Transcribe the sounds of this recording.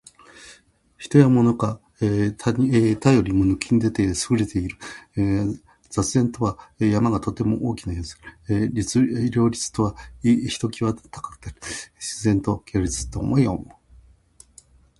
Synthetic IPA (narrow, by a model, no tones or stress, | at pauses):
çi̥t̪o̞jamo̞no̞ka | at̪ajo̞ɾʲimo̞nɯ̟kʲiɲ̟id̪e̞t̪e̞sɨɡɯ̟ɾe̞t̪e̞iɾɯ̟ | z̥at͡sɨzẽ̞nt̪o̞βajamaɡat̪o̞t̪e̞mo̞̰ʔoːkʲinajoːzɨ̥iɾʲo̞ːɾʲit͡sɨ̥t̪o̞βaiçi̥t̪o̞kʲiβat̪ḁkḁkɯ̥naɾɯ̟ɕizẽ̞nt̪o̞kʲoɾʲit͡sɨ̥t̪ːo̞ːmoiomo